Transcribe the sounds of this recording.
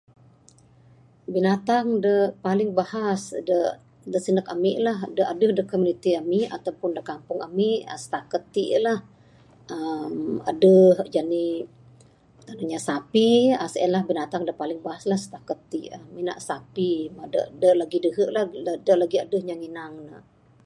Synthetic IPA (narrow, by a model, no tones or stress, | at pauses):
binat̪aŋdəpalɪŋbahasdə | dəʔsinəkamɪʔlahdəʔadəhdəkomjunit̪iamiʔa̰t̪awpʊndəkampʊŋamiʔəsə̥t̪akət̪ːiʔlah | əma̰dəhd͡ʒani | t̪ənaɲasapiasɛnlahbinat̪aŋdəpalɪŋbaɦaslahsə̥t̪akət̪ːiʔamina̰ʔsapimadə̰ʔdəʔlaɡidəɦəʔlahədəʔlaɡiadəhɲaŋinaŋnə